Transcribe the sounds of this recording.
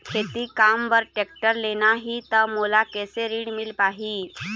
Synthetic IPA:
kʰet̪ikamʋəɾʈek̚ʈəɾlenaɦit̪əmulakɛseɾiːɽmilpaɦiː

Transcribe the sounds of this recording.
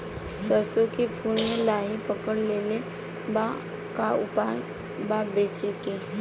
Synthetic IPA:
səsokipʰuːnmẽlaːɦipəkəɽleːle | ba | kaʊpaj | babeːt͡ʃeke

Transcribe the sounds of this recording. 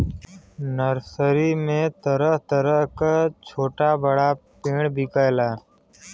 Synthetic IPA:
nəɾsəɾiːmẽːt̪əɾəɦt̪əɾəɦkat͡ʃʰoːʈaːbəɽaːpeːɳbʱɪkajlaː

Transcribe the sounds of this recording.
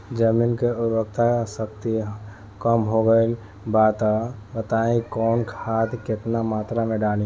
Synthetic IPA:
d͡ʒəmiːnkeʊɾək̚t̪ʰasəkt̪i | kəmɦoɡəel | baːt̪abət̪aːĩkɔːnkʰaːt̪ʰkɪt̪namaːt̪ɾamẽɖaːlĩ

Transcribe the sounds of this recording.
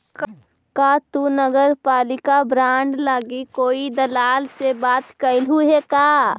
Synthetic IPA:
k | kaːt̪unəɡəɾpaːlɪkabɾãːɳɖlaːɡikoːid̪əlaːlsebaːt̪kəɪlɦuɦekaː

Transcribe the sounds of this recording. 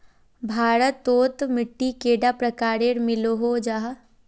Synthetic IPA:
bʱaːɾət̪ːoːt̪mɪʈːikeːɖapɾɐkaːɾeɾmɪloɦod͡ʒaːɦ

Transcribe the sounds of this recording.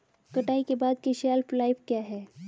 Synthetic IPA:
kɐʈaːikebaːd̪̚kiʃɛːlflaːɪfkjaːɦɛː

